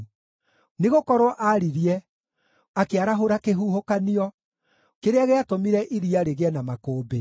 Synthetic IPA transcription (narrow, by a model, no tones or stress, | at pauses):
neɣokɔɾwɔʔaɾiɾiɛ | akeaɾaɦoɾakeɦuhokaniɔ | keɾeaɣeatomiɾɛʔiɾiaɾeɣeɛnamakoːbe